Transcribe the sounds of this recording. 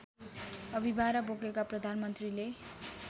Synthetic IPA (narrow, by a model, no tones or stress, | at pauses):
ʌbʱibʱaɾʌboɡekaprʌd̪ʱanmʌnt̪rile